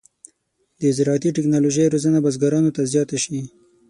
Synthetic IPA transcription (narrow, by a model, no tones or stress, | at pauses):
d̪əɪzɾɑt̪iʈɪknɑloʒejɾozənabazɡaɾɑnot̪azjɑt̪aʃi